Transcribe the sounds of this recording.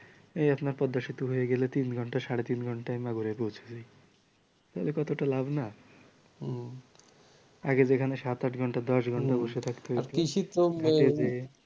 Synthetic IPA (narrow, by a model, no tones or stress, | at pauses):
ejapnaɾpɔd̪ːaʃit̪oɦojeɡelet̪inɡʱɔɳʈaʃaɽet̪inɡʱɔɳʈajmaɡuɾepowt͡ɕʰed͡ʑaj | t̪aɦlekɔt̪oʈalabna | aɡed͡ʑekʰaneʃat̪aʈɡʱɔɳʈad̪ɔʃ̬ɡʱɔɳʈaboʃet̪ʰakt̪eɦojaɾʰkit͡ʃʰit̪omaeze